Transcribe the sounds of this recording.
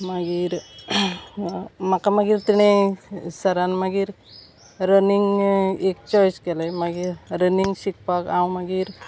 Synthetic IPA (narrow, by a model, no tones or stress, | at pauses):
maɡiːɾ | makamaɡiːɾt̪iɽ̃esəɾanmaɡiːɾ | ɾəniŋɡekt͡ɕɔjskɛlamaɡiɾɾəniŋɡɕik̚pakãwmaɡiːɾ